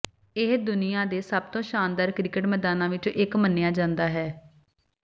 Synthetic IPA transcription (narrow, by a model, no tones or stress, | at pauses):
ɪɦd̪ʊnɪjãːd̪eːsəb̚t̪õːʃaːnd̪aːɾkɾɪkəʈmɛːd̪aːnãːʋɪt͡ʃɪkmənːejaːd͡ʒãːnd̪aːɦɛː